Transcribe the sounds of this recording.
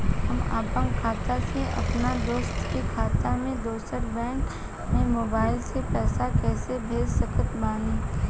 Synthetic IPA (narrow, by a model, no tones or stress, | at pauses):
ɦɐma̰ːpə̃ŋɡkʰaːt̪aseʔɐ̰pnad̪oːst̪kikʰaːt̪amẽd̪oːsəɾbɛ̃ːɳk | mẽmoːbaːɪlsepɛːsakɛːsebʱeːd͡ʒsəkət̪maːnẽː